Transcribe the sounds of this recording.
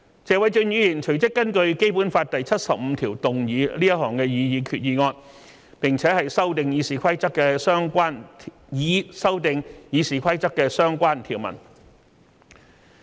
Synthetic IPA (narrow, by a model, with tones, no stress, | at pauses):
t͡sɛː˨˧wɐ˨˧jt͡ʃɵ˧njyː˨˧jiː˨˩nt͡ʃʰɵ˨˩ɥt͡sɪ˥kːɐ˥nkɵ˧ɥke˥jpu˨˥nfaː˧t̚t̪ɐ˨jt͡sʰɐ˥t̚sɐ˨p̚m̩˨˧t̪ʰiː˨˩wt̪ʊ˨ŋjiː˨˧liː˥jɐ˥t̚ɦɔː˨˩ŋkɛː˧jiː˨˧jiː˨˧kʰyː˧t̚jiː˨˧ŋɔː˧n | pɪ˨ŋt͡sʰɛː˨˥hɐ˨jsɐ˥wt̪ɪ˨ŋjiː˨˧siː˨kʰɐ˥jt͡sɐ˥kːɛː˧sœː˥ŋkʷaː˥nʰ | jiː˨˧sɐ˥wt̪ɪ˨ŋjiː˨˧siː˨˩kʷʰɐ˥jt͡sɐ˥k̚ːɛː˧sœː˥ŋkʷaː˥nt̪ʰiː˨˩wmɐ̰˨˩n